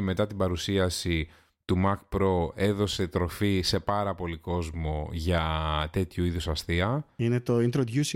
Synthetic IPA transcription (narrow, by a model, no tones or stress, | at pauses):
me̞t̪ɐt̪ibɐɾusiɐsi | t̪umɐkpɾo̞e̞ðo̞se̞t̪ɾo̞fise̞pɐɾɐpo̞liko̞zmoʝɐt̪e̞t̪çuiðusɐsθiɐinet̪o̞int̪ɾod̪jusi